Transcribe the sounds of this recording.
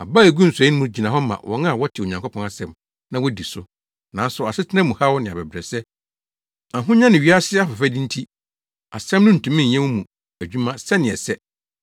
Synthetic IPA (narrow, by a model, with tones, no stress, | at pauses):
a̰˨ba˦æ˨ɡu˦n̩˨sɛ˨˦ʊ̃˦mũ˦d͡ʑi˨nã˨ɦɔ˦mã̰˨wʔɔ̰̃˨˦nã˦˨wɔ˦tʰɪ˨o˨ɲã˨ŋkʰɔ˦pʰɔ̃˦a˦˨sɛ̃˦m | nã˦wɔ˦di˨sʊ˦ | nã˨n˦sʊ˨a˨sɪ˦tʰɪ˦nɛ̃˦mũ˨ha˦wɔ˦nɪ̃˨a˨bɛ˨bɾɛ˨sɛ˦ | ã˨ɦʊ̃˦ɲã˦nɪ̃˨ɥi˨˦a˦sɪ˦ɛ˦a˦fɔ˨fɛ˦dɪ̃˦n̩˦tʰi˦ | a˨sɛ̃˦mnʊ̃˦n̩˨tʰũ˨mĩ˦˨ɛ̃˦mũ˦mũ˨ | æ˨d͡ʑᶣu˦mã˦sɛ˦nɪ̃˨ɛ˨sɛ˦